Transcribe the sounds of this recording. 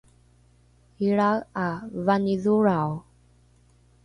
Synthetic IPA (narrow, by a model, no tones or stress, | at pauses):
iɭaɣavaniðuɾaw